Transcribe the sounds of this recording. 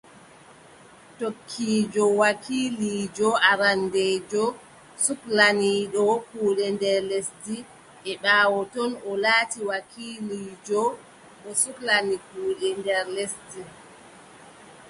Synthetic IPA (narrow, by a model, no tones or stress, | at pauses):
tokʰːiːd͡ʒɔwakʰiːliːd͡ʒɔaɾandeːd͡ʒɔ | suklaniɗɔkuːɗɛndɛɾlesti | ɛɓaːwɔtɔnɔlaːtiwakʰiːliːd͡ʒɔ | ɓɔsuklanikuːɗɛndɛɾlesti